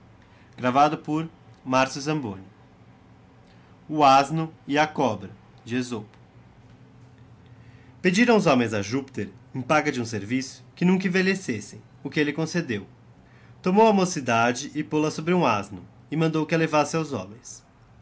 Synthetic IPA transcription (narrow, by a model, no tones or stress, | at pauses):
ɡ̥ɾavad̪ʊpʊɾmaɾsʊzɐ̃mbõnʊ | ʊaznʊɪɐkɔbɾɐ | d͡ʒezopʊ̥ | ped͡ʒiɾɐ̃w̃ʊzõmẽj̃zɐʒupi̥t̪eɾẽpaɡɐd͡ʒɪũs̬eɾvisʊ̥kɪnũk̬ɐĩvelesesẽj̃ | ʊkɪelɪkõsed̪ew | t̪omowɐmosid̪ad͡ʒɪʔɪpolɐsobɾɪũaznʊ | ɪmɐ̃nd̪owkɪalevasɪawzõ̰mẽj̃s